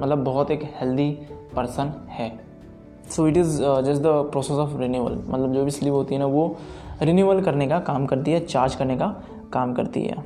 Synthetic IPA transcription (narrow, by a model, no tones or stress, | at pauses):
mɐt̪ləbːɔɦɔt̪eːkhɛld̪ipɐɾsənhɛː | soːɪʈɪzd͡ʒɐs̬d̪əpɾɔːsesɔfɾinjuːʋə̰lmʔɐ̰t̪ləbd͡ʒoːbʱisliːʋɦoːt̪iɦɛnaʋoɾinuːʋəlkɐɾnekakaːmkɐɾt̪iɦɛt͡ʃaːɾd͡ʒkɐɾneka | kaːmkɐ̰ɾt̪ḭɦɛ̰ː